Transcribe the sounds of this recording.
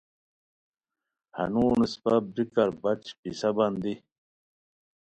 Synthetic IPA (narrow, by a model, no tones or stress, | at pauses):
hɐ̰nuːnispɐbikɐɾbɐt͡ɕpisɐbɐnd̪i